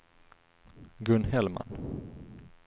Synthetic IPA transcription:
ɡɵnhɛlma̰n

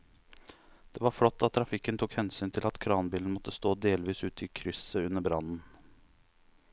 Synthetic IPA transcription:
d̪̥ɛːʋɑɾflɔt̪ːɑt̪ʰːɾɑfɪkːənt̪ʰuːkhɛnsyːnt̪ʰɪlɑt̪kʰɾɑːnbiːln̩mɔt̪ːəst̪oːd̪eːlʋiːsʉːt̪ʰəiːkʰɾʏsəʉnəbɾɑnn̩

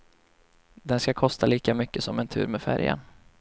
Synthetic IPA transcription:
d̪ɛnskakʰɔst̪ʰaliːkamʏkːəsɔmɛnt̪ʰʉ̟ːɾmɛfæ̰ɾja̰n

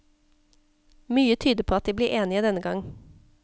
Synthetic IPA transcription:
myːət̪ʰyːd̪əpʰoːɑt̪̚d̪iːbliːʔeːnɪəd̪ɛnəɡɑŋ

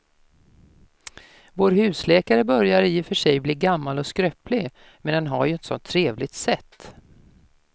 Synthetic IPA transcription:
voːɾhʉ̟ːslɛːkaɾəbœɾjaɾɪfœʂɛjbliːɡamːalɔskɾœːpʰlɪɡ | mɛnd̪ɛnɦa̰ɾjɵɛnt̪sɔ̰nt̪ʰːɾeːvlɪɡ̚t̪sɛt̪ː

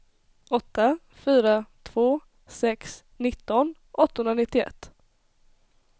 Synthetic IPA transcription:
ʔɔt̪ːa | fyːɾat̪ʰv̥oː | sɛks | nɪt̪ːɔn | ʔɔt̪ːahɵnɾanɪt̪ːɪɛ̰t̪ː

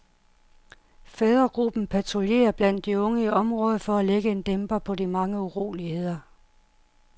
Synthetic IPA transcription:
feðˠʁɐɡ̥ʁub̥n̩pʰæt͡sʰʁolje̝̰ːɐb̥læn̰d̥ːiɔ̽ŋəiɒ̽mʁɔ̽ːð̞ˠfɒ̽æleɡ̥əe̝nd̥emb̥ɐpʰɒ̽dimɑ̈ŋəuʁo̝̰ːlihe̝ð̰ˠɐ

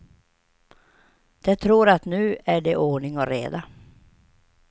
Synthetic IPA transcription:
d̪̥ɛt̪ʰɾuːɾat̪nʉ̟ːæɖɛʔoːɳɪŋɔɾḛːd̪a

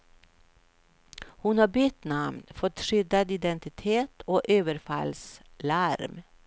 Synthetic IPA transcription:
hʊnhɑːbʏt̪nɑmnfɔt̪ʂʏd̪ad̪ɪd̪ɛnt̪ɪt̪ʰeːt̪ʰoːʔøːʋəɾfɑ̰ls | laɾm

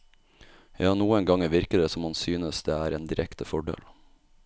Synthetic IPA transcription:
jɑːnuːəŋɡɑŋəʋɪɾkəd̪eːsɔmhɑnsyːnəsd̪eːæːɾeːnd̪ɪɾʔɛkt̪əfɔɖḛːl

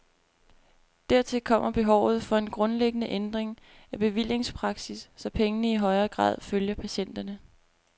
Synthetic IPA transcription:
d̥æɐ̰t͡sʰe̝lkʰɒ̽m̰ɐb̥e̝ɦɒʊ̰ð̞̩ˠfɒ̽e̝nɡ̥ʁɔ̽nleɡ̥ənəʔend̥ʁeŋ | æb̥e̝ʋil̰je̝ŋspʰʁɑ̈ɡ̥sisːɒ̽pʰeŋənəiɦɒ̽ɪɐːɡ̥ʁɑ̰̈ːð̰ˠføljɐpʰæɕen̰d̥ɐnə

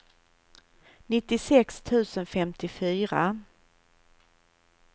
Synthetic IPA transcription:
nɪt̪ːɪsɛkst̪ʰʉ̟ːsənfɛmt̪ɪfyːɾa

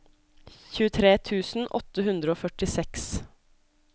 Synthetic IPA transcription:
çʉːət̪ʰɾeːt̪ʰʉːsn̩ʔɔ̰t̪əɦʉnd̪ɾəoːfœʈɪsɛks

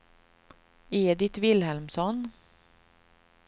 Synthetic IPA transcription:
eːd̪ɪt̪vɪlhɛlmsɔn

